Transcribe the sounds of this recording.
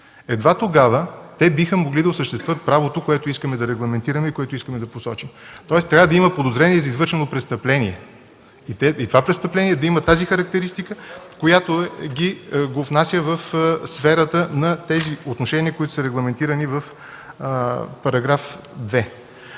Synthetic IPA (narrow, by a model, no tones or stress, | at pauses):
ɛd̪vat̪oɡavət̪ɛbixəmoɡlid̪ɐosəʃt̪ɛst̪vət̪̚pɾavot̪okoɛt̪oiskəmɛd̪ɐɾɛɡlˠɐmɛnt̪iɾəmɛikoɛt̪oiskəmɛd̪ɐposɔt͡ʃimt̪ɔɛst̪ɾʲavəd̪ɐimɐpod̪ozɾɛniɛzɐizvɤɾʃɛnopɾɛst̪əplɛniɛ | it̪ɛit̪ovapɾɛt̪st̪əplɛnʲiɛd̪ɐimət̪azixɐɾɐk̚t̪ɛɾist̪ikəkojat̪oɛɡʲiɡovnasʲjəvəfsfɛɾət̪ənɐt̪ɛziot̪noʃɛniəkoʊit̪o̥sɐɾɛɡlˠɐmɛnt̪iɾənivəf | pɐɾɐɡɾafd̪vɛ